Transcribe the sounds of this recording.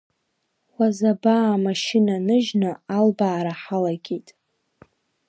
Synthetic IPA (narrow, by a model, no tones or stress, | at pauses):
wʷazabaːmaʃɪnanɨʒnaalbaːɾaħalaɡʲitʼ